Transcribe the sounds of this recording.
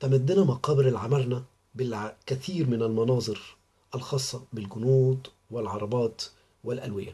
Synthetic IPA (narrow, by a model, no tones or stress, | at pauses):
t̪amad̪ːɪnamɑqɑːbɪɾɪlʕamɑɾˤna | bɪlkæθiːɾmɪnalmɑnɑːzˤɨɾ | ʔalxɑːsˤːɑbɪlɡʊnuːd̪ | wɪlʕɑɾˤɑbɑːt̪ | wɪlʔælwɪ̰jːa̰